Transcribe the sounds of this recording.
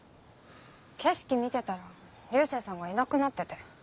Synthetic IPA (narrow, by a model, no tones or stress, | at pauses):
ke̞ɕi̥kʲimʲit̪e̞t̪aɾa | ɾʲɨːseːsãŋɡainakɯ̟nat̪ːe̞t̪e